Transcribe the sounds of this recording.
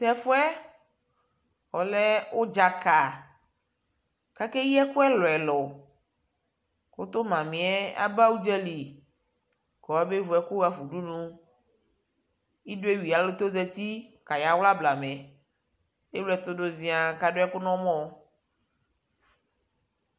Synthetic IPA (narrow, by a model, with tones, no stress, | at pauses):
tɛ˦fo˦ɛ˦ | ɔ˨lɛ˦wo˦d͡ʒa˨ka˨ | ka˦ke˦ji˦ɛ˦ku˦ɛ˦lɔ˨ɛ˨lɔ˨ | ko˦t̪o˦mã˨mĩ˨ɛ˦a̰˦ba˦wu˦d͡ʒɛ˦li˨ | kɔ˨wa˦be˦vu˨ɛ˦ku˦ɣa˦fu˨ɖu˦nũ˦ | i˦ɖo˦e˦wi˨a˨lo˦t̪o˦zɛ˦t̪i˦ka˨ja˨wla˦bla˨mẽ˨ | e˦wlɛ˦t̪o˦ɖo˨˦zĩ˨a˨ka˨ɖo˦ɛ˦ku˦nɔ̃˦mɔ̃˦